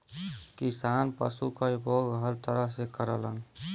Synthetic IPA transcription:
kisaːnpə̰sukaiboɡɦəɾt̪əɾəɦsekəɾələn

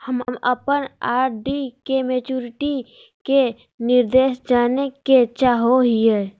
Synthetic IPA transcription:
həmmə̰pənaːɾɖikemet͡ʃuːɾɪʈi | ke | nɪɾd̪eːʃd͡ʒaːneket͡ʃaːɦoɦieː

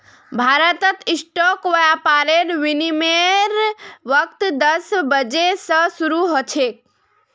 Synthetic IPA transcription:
bʱaːɾət̪ət̪ɪsʈɔkʋəjapaːɾenʋinimeɾʋək̚t̪d̪əsbəd͡ʒesəsuɾuɦot͡ʃʰek̚

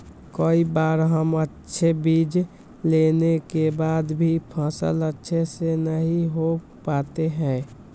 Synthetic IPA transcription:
kəibaːɾɦəmətːʃʰebid͡ʒ | lenekebaːd̪bʱipʰãːsə̰lətːʃʰesenəɦĩɦo | pat̪eɦɛ̃ː

